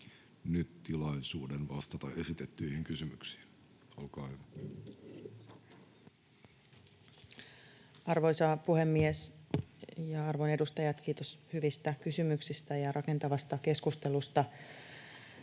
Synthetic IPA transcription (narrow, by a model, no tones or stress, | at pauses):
nyt̪tilɑisuːdenʋɑst̪ɑt̪ɑ̰esit̪et̪ːyihiŋkysymyksi̥ːn | olkɑːhyʋæ | ɑrʋojsɑpuhe̞mːies | jɑɑrʋonedust̪ɑjɑt̪k̟iːt̪oshyʋist̪ækysymyksist̪æjɑrʔɑke̞nt̪ɑʋɑst̪ɑke̞skust̪e̞lust̪ɑ